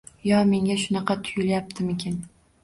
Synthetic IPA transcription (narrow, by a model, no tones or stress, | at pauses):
jɒme̞ŋʲaʃʊnɑqʰɑt̪ʰʊjɪljap̚t̪ʰɪmekʲʰen